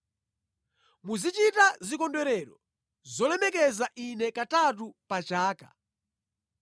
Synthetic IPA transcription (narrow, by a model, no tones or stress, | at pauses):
muzit͡ʃitazikɔndwɛɾɛɾɔ | zɔlɛmɛkɛzaʔinɛkatatupat͡ʃaːka